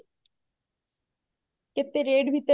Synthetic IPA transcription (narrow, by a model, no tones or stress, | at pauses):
kɪt̪eɾeːɖbʱit̪e